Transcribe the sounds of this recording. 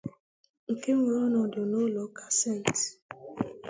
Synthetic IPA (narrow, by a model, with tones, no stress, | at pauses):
ŋ̩˨ke˦ŋʷe˨ɔ˦nɔ˨dʊ˨no˦lɔ˨˦ka˨se˦˨n˨t